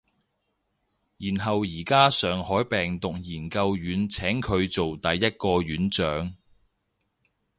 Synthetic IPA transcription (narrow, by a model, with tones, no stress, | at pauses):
jiː˨˩nɦɐ˨wjiː˨˩kaː˥sœː˨˩ŋhɔː˨˥jpɛː˨ŋt̪ʊ˨k̚jiː˨˩nkɐ˧wjyː˨˥nt͡sʰɛː˨˥ŋkʰɵ˨˧ɥt͡so˨wt̪ɐ˨jːɐ˥t̚kɔː˧ɥyː˨˥nt͡ʃœː˨˥ŋ